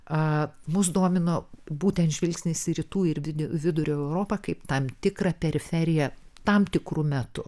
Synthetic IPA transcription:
ɐmʊsd̪oɔmʲɪnoːbuːt̪ʲɛnt̪ʒʲʋʲɪlʲksʲnʲɪsʲɪɾʲɪt̪uːɪrʋʲɪd̪ʲɛʋʲɪd̪ʊɾʲoːɛʊɾoːpɐkɐɪpt̪ɐmt̪ʲɪkrɐpʲɛɾʲɪfʲɛɾʲɪjɛ | t̪ɐmt̪ʲɪkɾumʲɛt̪ʊ

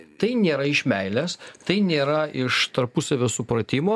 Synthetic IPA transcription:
t̪ɐɪnʲeːɾɐɪʃʲmʲɛɪlʲæst̪ɐɪnʲeːɾɐɪʃt̪ɐɾpʊsɐʋʲoːsʊpɾɐt̪ʲɪmoː

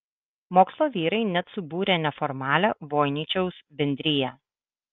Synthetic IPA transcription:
moːkslˠoːʋʲiːɾɐɪnʲɛt̪sʊbuːɾʲɛːnʲɛfɔɾmɑːlʲɛʋoːjnʲiːt͡ʃʲɛʊsbʲɛnʲd̪ʲɾʲɪjɛ

